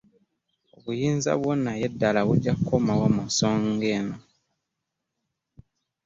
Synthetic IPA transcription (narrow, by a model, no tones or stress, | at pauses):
oβujiːnza̰βwonːajedːalaβuɟːakukomawamunsoːŋɡeno